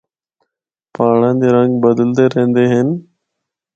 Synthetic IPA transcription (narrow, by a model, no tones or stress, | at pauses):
paːɳãːd̪eːɾəŋɡbəd̪əld̪eːɾəɦẽːnd̪eːɦɪn